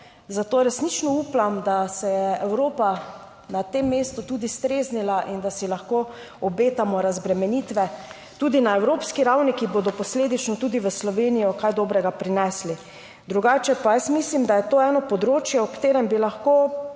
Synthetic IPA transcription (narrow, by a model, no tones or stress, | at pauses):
zat̪oːɾɛsnit͡ʃnɔuplamd̪asɛjɛɛwɾoːpa | nat̪emːeːst̪ut̪ud̪ist̪ɾeːznilaʔind̪asilaxkoː | ɔbeːt̪amɔɾazbɾɛmɛniːt̪ʋɛ | t̪uːd̪inaɛwɾoːpskiɾawnikiboːd̪ɔpɔsleːd̪it͡ʃnɔt̪uːd̪iʋəslɔʋeːnijɔkajd̪oːbɾɛɡapɾinɛsli | d̪ɾuɡaːt͡ʃɛpajɛst̪mislimd̪ajɛt̪oːɛːnɔpɔd̪ɾoːt͡ʃjɛɔkt̪eːɾɛmbilaxko